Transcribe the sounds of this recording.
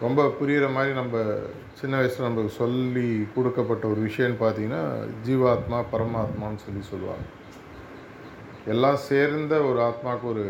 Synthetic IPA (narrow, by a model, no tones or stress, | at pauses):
ɾɔmbɐpʊɾɪjɐɾɐmaːd̪ɾinɐmbɐ | t͡ʃɪnːɐʋɐɪslɐ̃nɐmbɐsɔlːikɔɽɯkːɐpːɐʈːɐɔɾɯʋɪʂɐjɐ̃nːɯpaːɾt̪iːŋɡɐnːa̰ːd͡ʒiːʋaːt̪maːpɐɾɐmaːt̪maːnːɯsɔlːisɔlːɯʋa̰ːŋɡɐ | ɛlːãːseːɾnd̪ɐɔɾɯaːt̪maːkːɐɔɾɯ